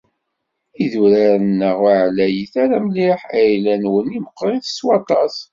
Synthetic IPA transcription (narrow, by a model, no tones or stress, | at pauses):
iðuɾaɾənːəʁaʕlæjəθaɾæmliħæjlænwəniməqːɾˤiðəswɑt̪ˤɑs